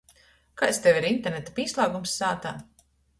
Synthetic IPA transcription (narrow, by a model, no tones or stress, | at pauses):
kajst̪ewiɾint̪eɾnet̪apiːslˠaːɡumsːaːt̪aː